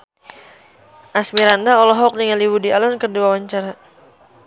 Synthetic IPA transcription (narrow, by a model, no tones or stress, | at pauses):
ʔasmiɾandaɔlɔɦɔk̚niŋaliwudialɔnkəduawaɲt͡ʃaɾa